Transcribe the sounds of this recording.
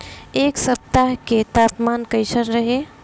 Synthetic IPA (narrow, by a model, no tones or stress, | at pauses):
eksəp̚t̪aɦket̪apmankəjsənɾəɦe